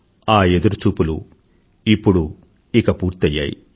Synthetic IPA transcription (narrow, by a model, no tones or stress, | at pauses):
aːed̪uɾut͡ʃuːpulṵ | ipːuɽu | ikɐpuːɾt̪ɐjːa̰ːjḭ